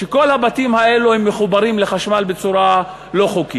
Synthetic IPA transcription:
ʃeko̞lhabatimhae̞luhemːeχubaɾimle̞χaʃmalbe̞t͡suɾa | lo̞χoki

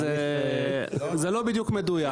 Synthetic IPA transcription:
zɐlobid͡ʒukʰmed̪uja

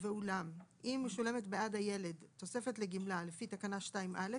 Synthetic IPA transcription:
veulamʔimːeʃule̞me̞tbeʔadaje̞le̞dtːo̞se̞fe̞tleɡimlalefitakanaʃtaimʔale

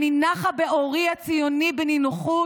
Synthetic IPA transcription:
ninaχabeʔoʁiat͡sijonibeninuχu

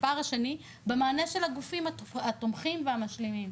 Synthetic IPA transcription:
paʁaʃeni | bemaːneʃe̞lhaɡufimaatomχimveamaʃlemim

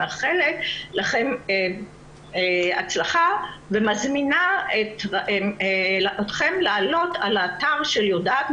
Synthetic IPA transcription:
aχeletlaχeme | a̰t͡slaχavemazminaet | otχemlaːlo̞talaːt̪aʁʃeljodaːt̪m

